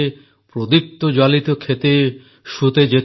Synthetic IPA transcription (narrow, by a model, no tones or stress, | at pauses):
pɾod̪ik̚t̪od͡ʑalit̪okʰet̪e | ʃut̪ed͡ʑet̪